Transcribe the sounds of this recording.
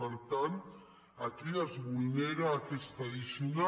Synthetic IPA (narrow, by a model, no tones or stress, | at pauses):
aɾt̪an | ak̪iazβujneɾaːkest̪ɾaðisiuna